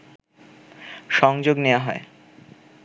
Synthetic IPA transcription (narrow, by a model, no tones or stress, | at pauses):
ʃɔŋd͡ʑoɡneaɦɔe